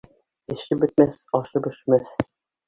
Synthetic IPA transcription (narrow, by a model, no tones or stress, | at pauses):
ɘ̆ʃɘp̚bɵ̆t̪̚mæsɒʃɤpɵ̆ʃɘ̆mæs